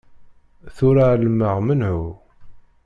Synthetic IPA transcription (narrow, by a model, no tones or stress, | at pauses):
θʊɾaləmːəʁmənhu